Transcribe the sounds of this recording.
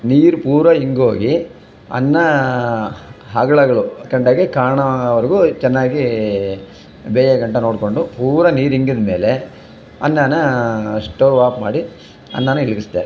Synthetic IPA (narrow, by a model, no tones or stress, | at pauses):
niːɾupuːɾʋɐiŋɡoːɡi | ɐ̰nːɐ | ɦɐɡɐɭɐɡɐɭukɐɳɖaːɡekaːɳɐʋɐɾɐɡut͡ʃɛnːaːɡi | bɛːjɐɡɐɳʈɐno̞ːɽko̞ɳɖupuːɾɐniːɾiŋɡid̪ɐmeːle | ɐ̰nːɐnɐʂʈoːʋaːpma̰ːɽi | ɐ̰nːɐnɐilɐɡist̪a̰ːɾe